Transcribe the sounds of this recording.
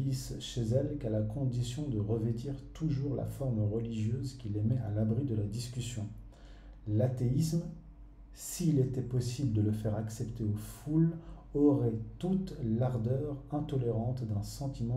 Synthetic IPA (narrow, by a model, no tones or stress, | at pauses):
isʃezɛlkalakɔ̃d̪isjɔ̃d̪əʁəvet̪iʁt̪uʒuʁla̰fɔʁmʁəliʒjøzkʲilemɛalabʁid̪əlad̪iskʲysjɔ̃ | lat̪eism | siːlet̪ɛpɔsibləd̪ələfɛʁaksɛpt̪eoful | ɔʁɛt̪ut̪laʁd̪œʁɛ̃t̪ɔleʁɑ̃t̪d̪ɛ̃sɑ̃t̪imɑ̃